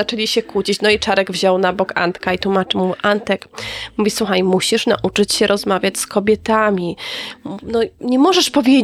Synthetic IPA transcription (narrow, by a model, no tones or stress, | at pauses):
at͡ʂɛlʲiɕɛkut͡ɕit͡ɕnɔit͡ʂaɾɛɡvʑɔwnabɔka̰nt̪kait̪wumat͡ʂɨmuʔant̪ɛkmuvʲiswuxajmuɕiʂna̰ʔut͡ʂɘt͡ɕɕɛɾʔɔzmavʲjat͡ɕskɔbʲjɛt̪amʲi | nɔɲɛmɔʐɛʂpɔvʲje